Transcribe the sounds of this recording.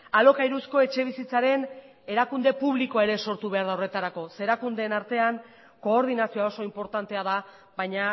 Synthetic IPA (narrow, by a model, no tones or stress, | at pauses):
alo̞kaiɾusko̞e̞t͡ʃe̞β̞isit͡saɾe̞n | e̞ɾakund̪e̞puβliko̞ae̞ɾe̞so̞ɾt̪uβe̞aɾðaowre̞t̪aɾako̞se̞ɾakund̪e̞ːnaɾt̪e̞aŋ | ko̞ːɾðinasioao̞so̞impo̞ɾt̪ant̪e̞að̞a | βajɲa